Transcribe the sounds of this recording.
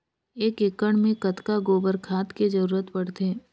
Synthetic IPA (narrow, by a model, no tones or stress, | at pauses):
eːkekəɽ̃mẽkət̪kaɡoːbəɾkʰaːt̪ked͡ʒəɾuːɾət̪pɐɽ̤t̪eː